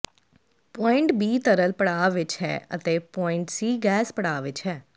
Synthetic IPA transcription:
pɔːɪ̃ɳʈbiːt̪əɾəlpəɽaːʋɪt͡ʃɦɛ̰ːə̰t̪eːpɔːɪ̃ɳʈsiːɡɛːspəɽaːʋɪt͡ʃɦɛː

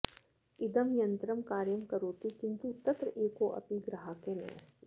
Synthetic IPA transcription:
ɪd̪əmjɐ̃nt̪ɾəmkaːɾjəmkɐɾoːt̪ikɪ̃nt̪ut̪ɐt̪ɾeːkoʔɐ̰piɡɾɐɦakenɐ̰ɐ̰st̪i̥

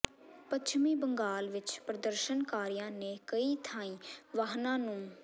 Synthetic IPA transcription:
pət͡ʃʰmĩːbəŋɡaːlʋɪt͡ʃpɾəd̪əɾʃənkaːɾijãːneːkəiːt̪ʰãːĩːʋaːɦnãːnũː

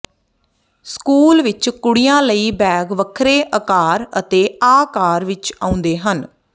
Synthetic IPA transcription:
skuːlʋɪt͡ʃkʊɽijãːləiːbɛːɡʋəkʰɾeːʔəkaːɾət̪eːaːkaːɾʋɪt͡ʃã̰ːʊ̃nd̪eːɦən

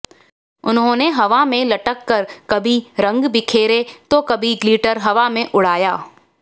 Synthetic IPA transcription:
ʊnɦõːneɦɐʋamẽlɐʈəkːɐɾkɐbʱiɾɐ̃ŋɡbɪkʰeːɾet̪okɐbʱiɡliːʈəɾɦɐʋamẽʔʊɽ̤aːjaː

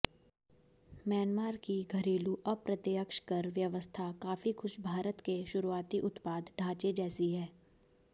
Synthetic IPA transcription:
mjɛːnmaːɾkiɡʱɐɾeːluʔɐpɾɐt̪jəkʃkɐɾʋjɐʋəst̪ʰakaːfixʊʃbʱaːɾət̪keʃʊɾuaːt̪iʔʊt̪paːd̪ɖʱaːt͡ʃed͡ʒɛːsiɦɛː

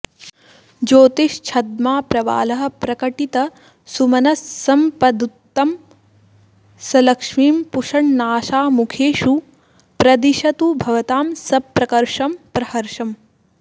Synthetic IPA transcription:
d͡ʒoːt̪iʃt͡ʃʰɐd̪̚maːpɾɐʋa̰ːlɐɦɐ̆pɾɐkɐʈit̪ɐ | sumɐnɐsːɐmpɐd̪ut̪ːɐm | sɐlɐkʂmiːmpuʂɐɳnaːʃaːmukʰeːʃu | pɾɐd̪iʃɐt̪ubʱɐʋɐt̪aːmsɐpːɾɐkɐɾʂɐmpɾɐhɐɾʂɐm

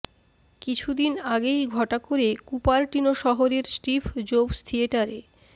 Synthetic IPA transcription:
kit͡ɕʰud̪inaɡejɡʱɔʈakoɾekupaɾʈinoʃɔɦoɾeɾsʈifd͡ʑobst̪ʰieʈaɾe

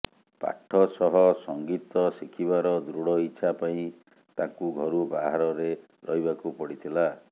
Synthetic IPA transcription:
pa̰ʈʰːɔsɔɦɔsɔŋɡit̪ɔsikʰibaɾɔd̪ɾuɽɔiːt͡ʃʰapaĩ | t̪akuɡʱɔɾubaɦaɾɔɾe | ɾɔɦiβakupɔɽit̪ʰila

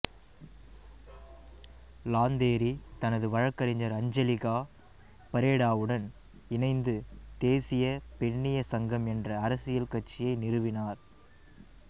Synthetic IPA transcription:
laːnd̪eːɾit̪ɐnɐðɯʋɐɻɐkːɐɾɪɲd͡ʒɐɾɐɲd͡ʒɐlɪɣaː | pɐɾeːɽaːʋɯɽɐn | ɪnɐɪnd̪ɯt̪eːsɪjɐpɛɳːɪjɐsɐŋɡɐmɛndrɐːɾɐsɪjɐlkɐʈt͡ʃːɪjɐɪnɪɾɯʋɪnaːɾ

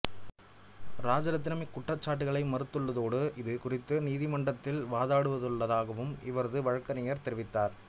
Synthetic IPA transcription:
ɾaːd͡ʒɐɾɐt̪̬ːɪnɐmɪkːʊʈrɐt͡ʃːaːʈ̬ːɯɣɐɭɐɪmɐɾɯt̪ːɯɭːɐðoːɽɯʔɪðɯkʊrɪt̪ːɯniːðɪmɐɳɖɐt̪ːɪlʋaːðaːɽɯʋɐðɯɭːɐðaːɣɐʋɯmɪ̰ʋɐɾɐðɯʋɐɻɐkːɐnɪjɐɾt̪ɛɾɪʋɪt̪ːaːɾ

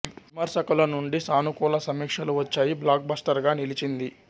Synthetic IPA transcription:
ʋʋimɐɾsɐkɐlɐnuɳɖisaːnukuːlɐsɐmiːkʂɐluʋɐt͡ʃːaːjiblaːk̚bɐsʈɐɾɡaːnilit͡ʃind̪i

